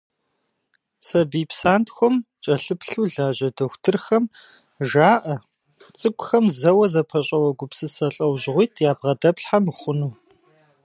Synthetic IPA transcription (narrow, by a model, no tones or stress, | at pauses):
sɐbiːpsaːntʰxʷɔmt͡ʃʼɐɬɨpɬuːɮaːʑɐdoxʷtʰɨrxɐm | ʒaːʔɐ | t͡sʼɨkʷʼʊxɐmzɐwɐzɐpʰɐɕʼɐwɐɡʷʊpsɨsɐɬʼɐwʑʁʷiːtʰjaːb̚ʁɐdɐpɬħamχʷʊnuː